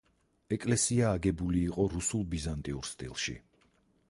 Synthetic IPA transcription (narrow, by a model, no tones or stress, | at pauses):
ɛkʼlɛsiaːɡɛbuliːqʼɔɾusulˠbizant̪ʼiuɾst̪ʼḭlˠʃḭ